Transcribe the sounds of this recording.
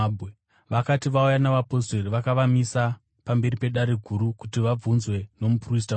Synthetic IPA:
be | ʋakatiʋaujanaʋapo̞seriʋakaʋamisa | pambe̞ɾipe̞ɗaɾeɡʱuɾukutiʋab͡vunzwe̞no̞mupris̬ta

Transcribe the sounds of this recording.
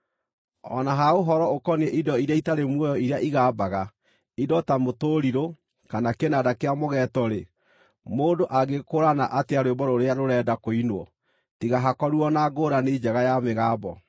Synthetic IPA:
ɔ̰naɦaoɦɔɾɔokɔnɛʔidɔiɾeaitaɾemwɔjɔiɾeaʔiɣaːbaɣa | idɔtamotoːɾiɾo | kanakenadakeamoɣɛːtɔɾe | moːdoʔaɡekoɾanaʔateaɾwebɔɾoɾeaɾoɾɛːdakoinwɔ̰ | tiɣaɦakɔɾuɔnaɡoːɾaned͡ʑɛɣajameɣaːbɔ

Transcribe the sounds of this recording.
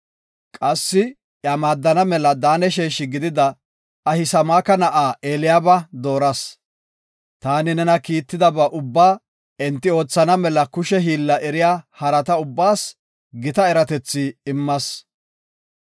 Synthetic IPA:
kʼɐsːɪ | jamaːd̪ːɐnɐmɛlɐd̪aːnɛʃ̬ɛːʃɪɡɪd̪ɪd̪ɐ | ɐhɪsɐmaːkɐnɐʔaːʔeːlɪjaːbɐd̪o̞ːɾɐs | t̪aːnɪnɛnɐkiːt̪ːɪd̪ɐbɐʔʊbːaː | ɛnt̪ːɪo̞ːt͡sːɐnɐmɛlɐkʊʃɛɦiːlːɐʔɛɾɪjaːhɐɾɐt̪ɐʊbːaːs | ɡɪt̪ɐɛɾɐt̪ɛt͡sːɪɪmːɐs

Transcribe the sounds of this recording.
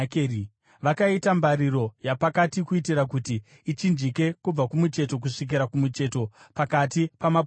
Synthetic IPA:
kː | ʋakaitambaɾiɾo̞japakatikuitiɾakutiː | t͡ʃind͡ʒike̞kub͡vakumut͡ʃe̞to̞k̬uʂik̬iɾakumut͡ʃe̞to̞pakatipama

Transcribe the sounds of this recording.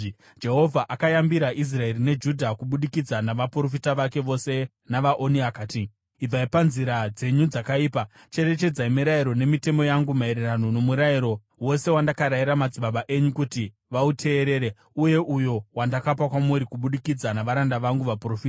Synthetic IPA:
d͡ʒe̞ɦo̞vʱaʔakajambiɾaʔis̬rae̞rine̞d͡ʒudʱakuɓuɗikid͡zanaʋapro̞fitaʋake̞ʋo̞se̞ | naʋaʔoniakaːti | ib͡vaipanziɾad͡ze̞ɲud͡zakaiːpa | t͡ʃe̞ɾe̞t͡ʃe̞d͡zaimiɾaiɾo̞ne̞mite̞mo̞jaŋɡumaeɾeranuno̞muɾaiɾo̞ | wo̞se̞wandakaɾaiɾamad͡ziɓaɓaʔe̞ɲukuti | ʋautʰe̞ːɾe̞ːɾe | uje̞ʔujo̞wandakap̬akwamuɾikuɓuɗikid͡zanaʋaɾandaʋaŋɡuʋaprofiːta

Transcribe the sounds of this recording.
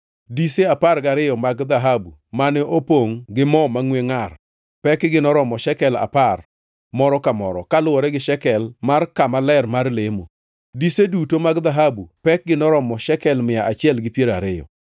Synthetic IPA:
diseaparɡaɾɪjɔmaɡd̪aɦabumanɛʔopoŋɡɪmɔmaŋweŋar | pɛkɡɪnɔɾɔmɔʃɛkɛla̰par | mɔɾɔkamɔɾɔ̰kalʊɔɾɛɡɪʃɛkɛlmarkamalɛrmarlemo̰ | disedutomaɡd̪aɦabupɛk̚ɡɪnɔɾɔmɔʃɛkɛlmɪjaʔat͡ʃɪɛlɡɪpjeɾaɾɪjɔ̰

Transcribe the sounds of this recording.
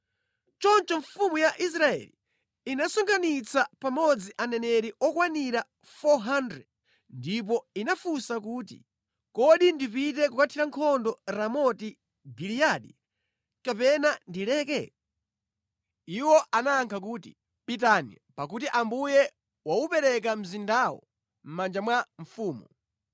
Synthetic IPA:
t͡ʃɔnt͡ʃɔɱfumujaʔis̬ɾaɛ̰li | inasɔŋɡanit͡sapamɔd͡ziʔanɛnɛɾiʔɔkwaniɾa | fɔɦandɾɛ | ndip̬ɔinafusakuːtḭ | kɔɗindipitɛkukatʰiɾaŋkʰɔndɔɾamɔti | ɡilijaɗi | kapɛnandilɛːkɛ | iwɔʔanaːŋkʰak̬uːti | pit̬anḭ | pak̬utiʔambujɛ | waupɛɾɛk̬am̩zindaːwɔ̰ | m̩mand͡ʒamwaɱ̩fuːmɔ

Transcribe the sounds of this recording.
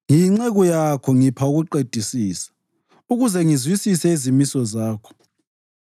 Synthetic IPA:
ŋiŋ͡ǁeɣɔjakʰɔŋipʰauɣuǃed̥ʱisiːsḁ | uɣuzɛŋizwisisɛizimisɔzaːkʰɔ̥

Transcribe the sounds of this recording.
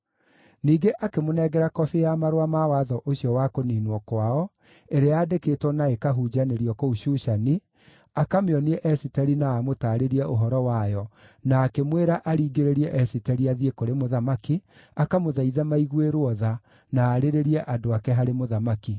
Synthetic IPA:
niːɡeʔakemonɛɡɛɾakɔfejamaɾowamawaðɔʔoɕiɔwakoniːnwɔkwaɔ | eɾeaːdeketwɔnaekaɦuːd͡ʒaneɾiɔkouɕuʃani | akameɔniɛʔɛsitɛɾinaːmotaːɾeɾiɛʔoɦɔɾɔwajɔ | naːkemweɾaʔaɾiːɡeɾeɾiɛʔɛsitɛɾiaðiekoɾemoðamaki | akamoðaiðɛmaiɣweɾwɔða | naːɾeɾeɾiɛʔadoakɛɦaɾemoðamaki

